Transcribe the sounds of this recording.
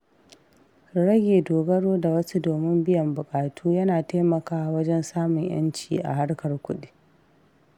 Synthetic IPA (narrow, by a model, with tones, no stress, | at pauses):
ɽɐ˦ɡʲeː˨doː˨ɡɐ˦ɽoː˦da˨wɐ˦su˦doː˨mɪ˦mbɪ˦jɐ˨mbʊ˨kʼaː˨tʰuː˦jɐ˦naː˨ta˦mɐ˨kaː˦wɐ˦d͡ʒɛ˦nsaː˦mʊ˨ɲj̰ɐ̰˦nt͡ʃiː˨ʔa̰˨ɦa˦rkɐ˨rkʷʊ˦ɗi˦